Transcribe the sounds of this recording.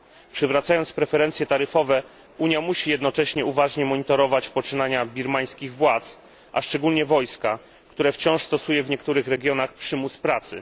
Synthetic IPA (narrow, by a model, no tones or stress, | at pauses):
pʂɘvɾat̪sajɔnt̪spɾɛfɛɾɛnt̪sʲjɛt̪aɾɘfɔvɛ | uɲjamuɕijɛd̪nɔt͡ʂɛɕɲɛuvaʐɲɛmɔɲit̪ɔɾɔvat͡ɕpɔt͡ʂɘnaɲabʲiɾmaj̃skʲiɣvwat̪s | ʔa̰ʂt͡ʂɛɡulɲɛvɔjska | kt̪uɾɛft͡ɕɔ̃w̃ʂst̪ɔsujɛvɲɛkt̪uɾɘxɾɛɡʲjɔnaxpʂɘmuspɾat̪sɘ̰